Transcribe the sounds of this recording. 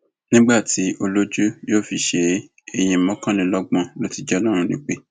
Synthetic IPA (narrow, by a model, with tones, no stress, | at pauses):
nĩ˦ɡ͡ba˦˨ti˨˦ʔo˧lo˦d͡ʒu˦joː˦˨fi˦˨ʃe˨˦ | e˧j̃ĩ˧˦mɔ̃˦kã˦nĩ˧˦lɔ˦ɡ͡bɔ̃˦˨lo˦ti˧˦d͡ʒɛ˦lɔ˦ɾ̃ũ˧nĩ˨˦k͡pe˦